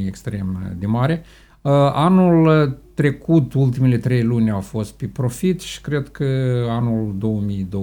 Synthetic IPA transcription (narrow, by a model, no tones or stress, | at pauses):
ekst̪ɾe̞md̪emaɾe | əanult̪ɾe̞kut̪ult̪imele̞t̪ɾe̞jlunʲawfo̞st̪̚pepɾo̞fit̪ʃi̥kɾe̞d̪kəanuld̪o̞wəmijd̪o